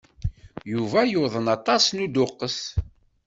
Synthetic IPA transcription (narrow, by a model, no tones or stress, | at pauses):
juvæjoðˤənɑt̪ˤɑsnud̪ʊqːəs